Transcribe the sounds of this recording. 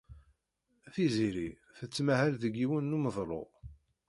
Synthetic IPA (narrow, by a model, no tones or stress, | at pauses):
θiziɾi | θət͡sːmæhælðəɡiwənːuməðˤɾˤo̰ʁ